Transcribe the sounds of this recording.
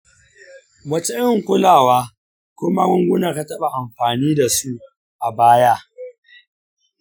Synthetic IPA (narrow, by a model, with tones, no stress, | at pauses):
wɐ˦t͡ʃɛ˦ʔɪ˦ŋkʷʊ˦laː˨waː˦ | kʷʊ˦ma˦mʊ˦ŋɡʷʊ˦naː˨ka˦tɐ˦ɓa˨ʔa˨mɸaː˨niː˦da˨su˦ʔ | ʔa˨baː˦ja˦ʔ